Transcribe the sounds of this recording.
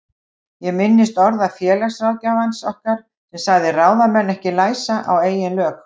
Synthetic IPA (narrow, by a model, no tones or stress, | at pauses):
jɛmɪnːɪst̪ɔɾðafjɛːlasɾaːwcaːvansɔhkaɾ̥ | sɛmsaɣðɪraːwðamɛnːɛhcɪlaːjsaʔa̰weːjɪnlœːk